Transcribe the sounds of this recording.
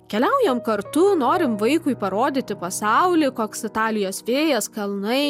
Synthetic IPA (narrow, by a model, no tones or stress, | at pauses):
kʲɛlʲɛʊjɛmkɐɾt̪ʊnoːɾʲɪmʋɐɪkʊɪpɐɾoːd̪ʲɪt̪ʲɪpɐsɑʊlʲɪkoːksɪt̪ɑːlʲɪjoːsʋʲeːjɛskɐlˠnɐɪ